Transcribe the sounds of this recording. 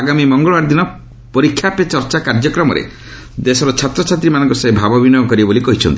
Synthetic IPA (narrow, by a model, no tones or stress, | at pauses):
aɡamimɔŋɡɔɭɔwaɾd̪inɔ | pɔɾikʰːjapet͡ʃɔɾt͡ʃakaɾd͡ʒɔkɾɔmɔɾḛ | d̪esɔɾɔt͡ʃʰat̪ɾɔt͡ʃʰat̪ɾimanɔ̃ŋkɔsɔebʱabɔbinɔjɔkɔɾibabolikɔɦit͡ʃʰɔnt̪i